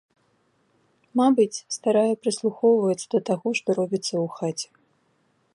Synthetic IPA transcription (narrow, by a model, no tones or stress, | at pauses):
mabɨt͡sʲst̪aɾajɛpɾɨslˠuxɔwvɐt͡s̪ʲːɐd̪ɐt̪aɣɔʂt̪ɔɾɔbʲit̪sːɐuxat͡sʲɛ̥